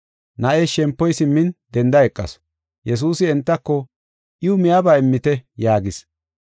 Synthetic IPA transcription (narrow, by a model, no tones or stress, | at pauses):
nɐʔeʃɛmpːɔjsɪmːɪnd̪ɛnd̪ɐɛkʼːɐ̰s | jʔɛs̬uːsɪɛnt̪ːɐkːɔ | ʔɪʊmɪjabaːɪmːɪt̪ɛjaːɡɪs